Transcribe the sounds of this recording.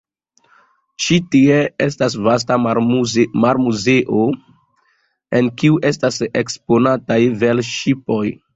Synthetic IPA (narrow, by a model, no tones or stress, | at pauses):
t͡ʃitie̞estas̬vas̬ta | maɾmuze̞ʔo | e̞nkiuʔe̞stasekspo̞natajve̞lʃipo̞j